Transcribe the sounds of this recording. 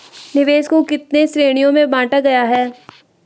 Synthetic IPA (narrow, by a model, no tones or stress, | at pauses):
nɪʋeːskokɪt̪nesɾeːɽ̃ijõmẽbãːʈaɡɐjaɦɛː